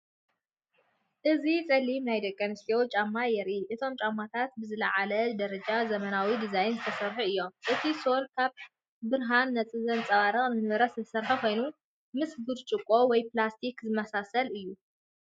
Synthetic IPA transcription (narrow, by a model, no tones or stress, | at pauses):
ʔɨzit͡sʼɐlimnajd̪ɐkʼːɐnɨst̪owt͡ʃʼamːajɛɾʔiʔɨt̪ʰo̞mt͡ʃʼamːat̪ʰat̪bɨzɨlɐʕalɐd̪ɐɾɐd͡ʒʼazɐmɐnawid̪izajnzɨt̪ʰɐsɐɾħuɨjːo̞mʔɨt̪ʰiso̞lkʰaβ | bɨɾɦanːɐt͡sʼɨzɐnt͡sʼɐβaɾɐχʼnɨnɨɾɐszsɐɾħuko̞jnu | mɨsbɨd̪t͡ʃʼɨkʼːo̞wɔjplast̪ʰikzɨmɐsasɐlɨjːu